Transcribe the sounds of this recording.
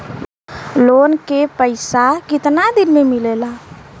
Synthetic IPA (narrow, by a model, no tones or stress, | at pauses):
lonkepəɪsakɪt̪nad̪inmemilela